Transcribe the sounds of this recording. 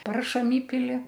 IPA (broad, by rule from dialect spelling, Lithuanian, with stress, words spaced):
ˈpɐrʃɐm ˈiːpʲɪlʲɪ